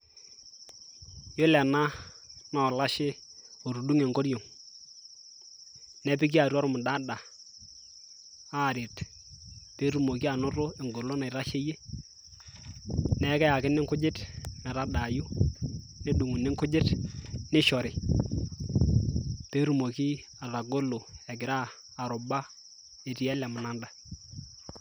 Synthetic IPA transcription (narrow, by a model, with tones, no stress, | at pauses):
jo˦lɛ˨na˦ | na˨ɔ˨la˦ʃɪ˦o˨ɾu˨du˦ŋe˨ŋɡo˦ɾjo˨ŋ | nɛ˦pɪ˦k̬i˦a˨ɾɔ˦ɾʊ˦mʊ˨da˦da˨ | a˦˨ɾɪ˨t | pe˦ɾu˨mo˨k̬i˦a˨nʊ˦ɾo˦e˨ŋɡo˨lo˦na˨ɪ˨ɾa˦ʃe˦je˦ | nɛ˦kɛ˦ja˨kɪ˦nɪ˦ŋkʊ˦d͡ʒɪ˦tnɛ˨ɾa˦da˨ju˦ | ne˦du˨ŋu˨nɪ˦ŋkʊ˦d͡ʒɪ˦tnɪ˦ʃɔ˨ɾɪ˨ | te˦ɾu˨mo˨ki˦ | a˨ða˨ɡo˦lo˨ɛ˨ɡɪ˨ɾaː˦˨ | ɾʊ˨ba˦ | e˨ti˨ɛ˦lɛ˨mʊ˨na˦nda˨